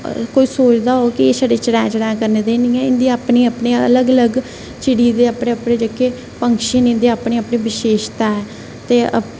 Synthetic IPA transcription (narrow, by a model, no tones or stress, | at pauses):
koːiːsoːt͡ʃd̪aːɦoːkɪeːsaɖeːt͡ʃəɽɛ̃ːt͡ʃəɽɛ̃ːkəɾneːd̪eːniːɛ̃ːɪnd̪iːaːpniːaːpneːə̰ləɡələɡ | t͡ʃɪɽiːd̪eːaːpɽeəpɽẽːd͡ʒekeː | pəŋkʃənɪ̃nd̪eːaːpnẽːaːpneːʋɪʃeːʃt̪aːɛː | t̪eːə̰